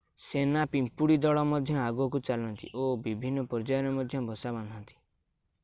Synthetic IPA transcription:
senapimpuɽid̪ɔɭɔmɔd̪ʱjɔaɡuɔk̬ut͡ʃalɔnt̪ḭʔobibʱinːɔpɔɾd͡ʒajɔɾɔmɔd̪ʱjɔbɔsabɔnd̪ʱɔnt̪i̥

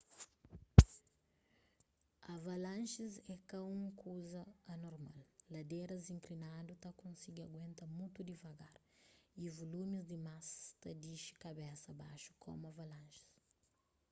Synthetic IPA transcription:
ɐvalãnʃizɛkɐũŋkʰuzɐːnoɾmallɐd̪eɾɐzĩŋklinad̪ut̪akõnsiɡiɐɡwẽnt̪ɐmut̪ud̪ivɐɡaɾivolumizd̪imast̪ɐd̪iʃi̥kɐbɛsɐbaʃu̥kʰo̰mɐvalãnʃi̥s

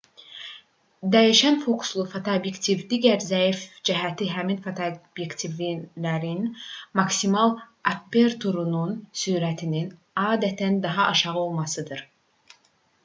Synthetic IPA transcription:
d̪æjiʃænfokʰslˠufot̪ʰoobjekt̪ʰivd̪iːɟæɾzæifd͡ʒæɦæt̪ʰiɦæminfot̪ʰobjekt̪ʰivilæɾinmɑksimɑlˠ | apːeɾt̪ʰoɾununsuːɾæt̪ʰinin | ɑːd̪æt̪ʰænd̪ɑɦɑʔɑʃɑʁɯo̞lˠmɑsɯd̪ɯɾ

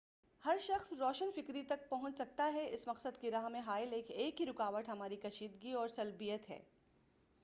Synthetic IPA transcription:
hɐɾʃɐxsɾɔːʃənfɪkɾit̪ɐk̚pɐɦʊ̃t͡ʃsɐk̚t̪aɦɛɪsmɐqsəd̪̚kiɾaːɦmẽɦaːɪleːkeːkɦiɾʊkaːʋəʈ̪ɦɐmaːɾikɐʃiːd̪ɡiɔːɾsɐlbijət̪ɦɛ̰ː

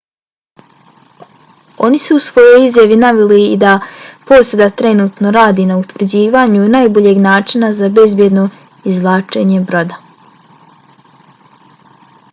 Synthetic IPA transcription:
o̞̰nisuusʋo̞jo̞jizjaʋinaʋiliid̪apo̞ːsed̪at̪ɾe̞nuːt̪no̞ɾaːd̪inaut̪ʋr̩d͡ʑiːʋaɲunajbo̞ʎe̞ɡnaːt͡ʃinazabe̞zbje̞d̪no̞ | izlˠaːt͡ʃe̞ɲe̞bɾo̞d̪a

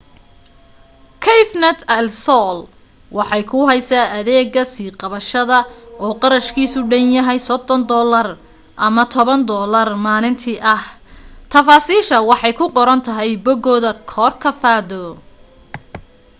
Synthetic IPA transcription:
kʰɛjfnɐt̪ʰɐlsɔl | wɑħɑjkʰʊɦɛjsaːʔɐðɛːɡɐsiːqɑβɐʃɐðɐɔːqɑɾɐʃkʰiːsʊɖɐnjɐɦɛjsɔd̪ɔnd̪ɔːlɐr | ʔɐmɐt̪ʰɔβɐnd̪ɔːlɐrmaːlɪnt̪ʰiʔɐht̪ʰɐfaːsiːʃɐwɑħɑjkʰʊqɔɾɐnt̪ʰɐɦɛjbɔɡɔːðɐkʰɔːrkʰɐfaːðɔ

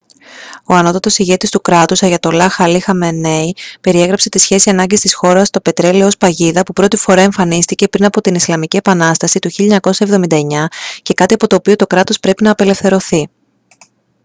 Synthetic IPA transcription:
o̞ɐno̞t̪ɐt̪o̞siʝe̞t̪ist̪ukɾɐt̪usɐʝɐt̪o̞lɐxɐlixɐmeneipe̞ɾie̞ɣɾɐpse̞t̪isçe̞siɐnɐɲɟist̪isxo̞ɾɐst̪o̞pe̞t̪ɾe̞liospɐʝiðɐpupɾo̞t̪ifo̞ɾɐe̞ɱfɐnist̪ice̞pɾinɐpo̞t̪inislɐmicie̞pɐnɐst̪ɐsit̪uçiʎɐɲɐko̞sɐe̞vðo̞mind̪ɐe̞ɲɐce̞kɐt̪iɐpo̞t̪o̞ːpio̞t̪o̞kɾɐt̪o̞spɾe̞pinɐːpe̞le̞fθe̞ɾo̞θi

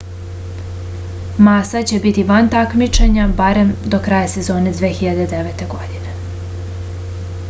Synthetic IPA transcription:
maːsat͡ɕe̞bit̪iʋant̪akmit͡ʃeɲabaɾe̞md̪okɾajase̞zo̞ːne̞d̪ʋeːxiʎad̪e̞d̪eʋet̪e̞ɡo̞d̪ine

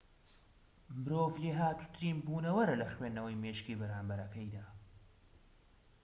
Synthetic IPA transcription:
mɨɾoːvleːɦaːt̪u̥t̪ɾiːmbuːnɐwɐɾɐlɐxweːnːɐwɐjmeːʃkiːbɐɾaːmbɐɾɐkɐjd̪aː

